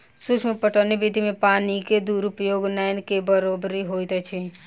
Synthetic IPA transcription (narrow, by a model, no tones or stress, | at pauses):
sut͡ʃʰmepəʈʰənebid̪ʱimẽpaːniked̪uɾupəjoɡnaɪnkebəɾobɾiɦojt̪t͡ʃʰɛ